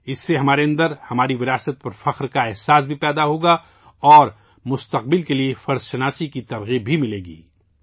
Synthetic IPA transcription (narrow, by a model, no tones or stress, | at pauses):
ɪsːeɦɐmaːɾeɐ̃nd̪əɾhɐmaːɾiʋɪɾaːsət̪̚pɐɾfɐxɾkaɛɦsaːsbʱipɛːd̪aɦoːɡa | ɔːɾ | mʊst̪ɐqbɪlkeliefɐɾzʃɐnaːsikit̪ɐɾɣiːbʱimɪleːɡḭː